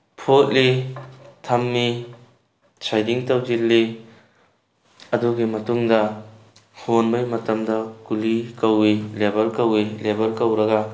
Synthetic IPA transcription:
pʰot̚li | tʰɐmːi | t͡ʃʰajdiŋtɐwd͡ʒilːi | ɐduɡimɐtuŋdɐ | honbɐjmɐtɐmdɐkulikɐwilebɐɾkɐwilebɐɾkɐwɾɐɡɐ

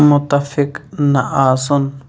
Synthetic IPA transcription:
mʊt̪afɪknaʔaːson

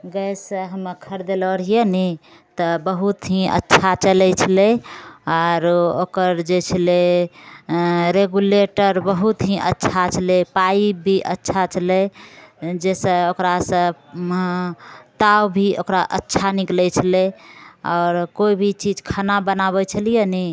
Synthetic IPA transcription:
ɡəjsə̃ɦəməkʰəɾd̪eləɾijenɛ | t̪ɔbəɦut̪ɦĩʔə̰tːʃʰat͡ʃəlɛt͡ʃʰəleɔɾokəɾd͡ʒet͡ʃʰəle | ɾeɡuleʈəɾbəɦut̪ɦĩʔə̰tːt͡ʃʰat͡ʃʰəlepaibʱiʔətːʃʰat͡ʃʰəlɛ | d͡ʒesə̃okɾasə̃ | t̪awbʱiʔokɾaʔətːʃʰaniklɛt͡ʃʰəleɔːɾkoibʱit͡ʃid͡ʒkʰanabənaβɛt͡ʃʰəlijənɛ

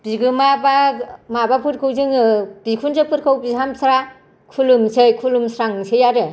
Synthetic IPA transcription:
b̥iɡɯmabamabapʰuɾkʰɯwzɯŋɯb̥ikʰunzɯpʰɯɾkʰɯwbiɦamsʰɾa | kʰulumsejkʰulumsɾaŋsejaɾɯ

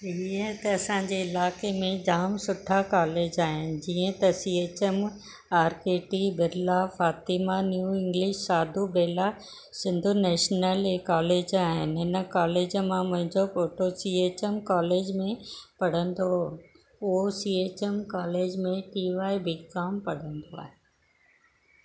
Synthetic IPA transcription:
iːə̃t̪ɐɐsãːd͡ʑeːɪlaːkemẽd͡ʑaːmsʊʈʰakaːleːd͡ʑaːɦɪnɪ̆d͡ʑiːə̃t̪ɐsiːeːt͡ɕem | aːɾkeːʈibɪɾlafaːt̪imanjuːɪ̃ŋɡlɪʃsaːd̪ʱubeːla | sɪ̃nd̪ʱunɛːʃnəlekaːleːd͡ʑaːɦɪnɦɪnəkaːleːd͡ʑmãmʊ̃ɦɪ̃ɲd͡ʑofoːʈosiːeːt͡ɕemkaːleːd͡ʑmẽpɐɽ̤ə̃nd̪o | osiːeːt͡ɕemkaːleːd͡ʑmẽʈiːʋaːibʱikaːmpɐɽ̤ə̃nd̪oa̰ːɦe

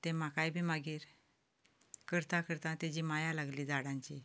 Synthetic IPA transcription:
t̪ẽmakajbʱiːmaɡiːɾ | kəɾt̪ãkəɾt̪ãt̪ed͡ʑiːmajalaɡliːd͡zaɽãɲt͡ɕi

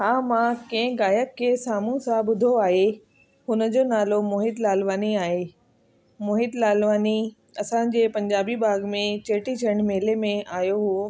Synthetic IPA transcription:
ɦaːmãkɐ̃ɦɪ̃ɡaːjəkkʰesaːmũsãbʊd̪ʱoaːɦe | hʊnə̆d͡ʑoːnaːlomoːɦɪd̪laːlʋaːniaːɦe | moːɦɪd̪laːlʋaːni | ɐsãd͡ʑeːpɐ̃ɲd͡ʑaːbibaːɡmẽt͡ɕeːʈit͡ɕʰɐəɽ̃meːlemẽaːjoɦʊo

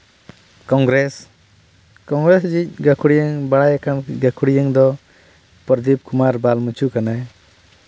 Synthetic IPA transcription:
kɔŋɡɾes | kɔŋɡɾesd͡ʒic̚ɡakʰuɽijəŋbaɽajakʰanɡakʰuɽijaŋd̪ɔ | pɔɾd̪ip̚kumaɾbalmut͡ʃʰukanaj

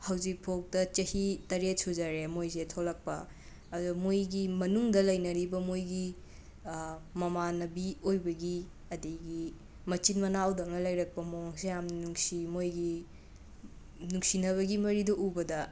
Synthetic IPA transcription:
hɐwzik̚pʰok̚tɐt͡ʃɐhitɐɾet̚suzɐɾemojzetʰolɐk̚pɐː | dumojɡimɐnuŋdɐlɐjnɐɾibɐmojɡi | mɐmanɐbiojbɐɡi | ɐdɐɡi | mɐt͡ʃinmɐnawdɐŋnɐlɐjɾɐk̚pɐmoŋsejamnnuŋsimojɡi | nuŋsinɐβɐɡimɐɾidoʔubɐdɐ

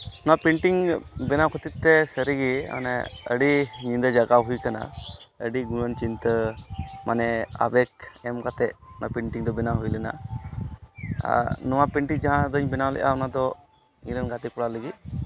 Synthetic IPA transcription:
ɔnapɛɳʈiŋbɛnakʰɔt̪it̪ːɛsəɾiɡiɔ̰nɛə̰ɖiɲĩnd̪əd͡ʒaɡaɦujkana̰əɖiɡuɽənt͡ʃint̪əmanɛa̰bɛkɛmkat̪ɛʔɔnapɛɳʈiŋd̪ɔbɛnaɦujlɛna̰ | nɔwapɛɳʈiŋd͡ʒaɦãd̪əɲbɛnawlɛ̰ʔa̰ɔnad̪ɔ | iɾənɡat̪ikɔɽaləɡi

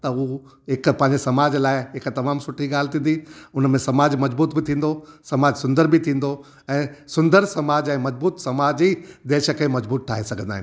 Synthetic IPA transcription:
t̪ɐu | ɦɪkpɐ̃ɦɪ̃ɲd͡ʑesɐmaːd͡ʑlaːɪɦɪkt̪ɐmaːmsʊʈʰiɡaːlt̪ʰĩːnd̪iʊnmẽsɐmaːd͡ʑmɐd͡ʑbuːt̪bɪt̪ʰĩːn̆d̪osɐmaːd͡ʑsʊ̃nd̪əɾbɪt̪ʰĩːn̆d̪o | ɛ̃ːsʊ̃nd̪əɾsɐmaːd͡ʑɛ̃ːmɐd͡ʑbuːt̪sɐmaːd͡ʑiːd̪eːʃəkẽmɐd͡ʑbuːt̪̚ʈʰaːɦesɐɡʱə̃nd̪aːɦɪn

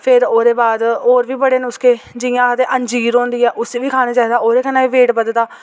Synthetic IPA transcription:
pʰɪɾoːɾeːbaːd̪oːɾʋiːbəɽeːnʊskeːd͡ʒɪjãːkʰəd̪eːʔəɲd͡ʒiːɾõːnd̪iːɛːʔʊseːʋiːkʰaːneːt͡ʃaːiːd̪aːoːɾeːkʰənːãːʋiːʋeːʈbəd̪d̪aː

